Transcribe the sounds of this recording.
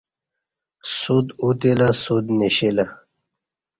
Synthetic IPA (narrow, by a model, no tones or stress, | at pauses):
sud̪ut̪ilasud̪niɕila